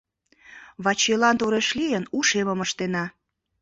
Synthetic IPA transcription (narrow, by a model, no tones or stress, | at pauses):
βɑt͡ɕelɑnt̪oɾeʃlijənuʃeməməʃt̪enɑ